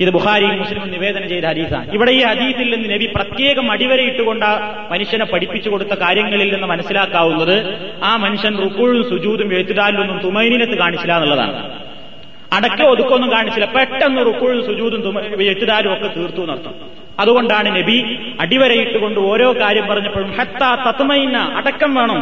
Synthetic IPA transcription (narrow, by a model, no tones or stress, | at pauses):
iðɨbuxaːɾijmmːuslimumniʋe̞ːd̪ɐnɐmt͡ɕe̞jt̪ɐhɐd̪iːθa̰ːɳɨiʋiɽe̞iːhɐd̪iːθilninːɨne̞biprɐt̪je̞ːɣɐmɐɽiʋɐɾɐjiʈːuɣo̞ɳɖaː | mɐnuʂjɐnepːɐɽipːit͡ɕːuko̞ɽut̪ːɐkaːɾjɐŋːɐɭilninːɨmɐnɐsːilaːkːaːɣunːɐðɨaːmɐnuʂjɐnrukːuːɻunsud͡ʑuːd̪umʋeɻt̪ːiðaːlilonːumt̪umɐjnilɐt̪ːɨkaːɳit͡ɕːilaːnɐlɭːɐða̰ːɳɨ | ɐɽɐkːɐmoðukːo̞nːumkaːɳit͡ɕːilɐpeʈːenːumrukːuːɻumsud͡ʑuːd̪umt̪umʋeɻt̪ːiðaːlumo̞kːe̞t̪iːrt̪ːunɐrɐt̪ːu | ɐðuɣo̞ɳɖaːɳɨne̞bi | ɐɽiʋɐɾɐjiʈːuɣo̞ɳɖɨo̞ːɾo̞ːkaːɾjɐmpɐrɐɲːɐpːɐɻumħɐt̪ːaːt̪ɐt̪mɐjnːɐʔɐɽɐkːɐmʋeːɳɐm